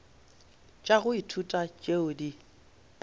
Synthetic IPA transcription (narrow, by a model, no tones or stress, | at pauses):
t͡ʃʼaɣʊitʰutʼat͡ʃʼeʊdi